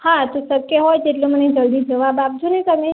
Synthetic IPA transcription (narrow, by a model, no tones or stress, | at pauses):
hat̪osəkəɦojd͡ʒeʈloməned͡ʒəld̪id͡ʒəʋabap̚d͡ʒ̪ʱunet̪əme